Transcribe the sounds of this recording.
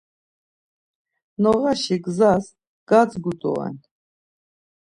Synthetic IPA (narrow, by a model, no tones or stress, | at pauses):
nɔʁaʃiɡzas | ɡ̥at͡sɡut̪ʼɔ̰ɛ̰n